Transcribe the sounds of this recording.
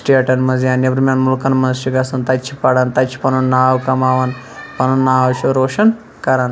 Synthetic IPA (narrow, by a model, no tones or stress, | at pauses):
sʈeʈɐnmɐnzjaːnebɾmʲanmulkɐnmɐnzʃiɡɐsɐnt̪ɐt͡ʃʰi̥pɐɽɐnt̪ɐt͡ʃʰi̥pɐnɐnːaːwkɐmaːʋɐn | pɐnɐnːaːʋʃuɾoːʃɐn | kɐɾɐn